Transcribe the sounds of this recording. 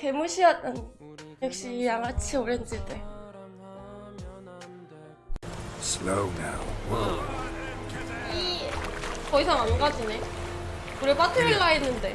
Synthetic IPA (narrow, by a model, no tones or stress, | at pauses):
ke̞muɕʰiʌt͈ʌnjʌk̚ɕ͈ijaŋat͡ɕʰioɾend͡ʑ͈it͈e | sloʊna̰ʊw | i | kʌisʰaŋanɡad͡ʑine | kuɾepatʰɯɾiɭːaenːɯnde̞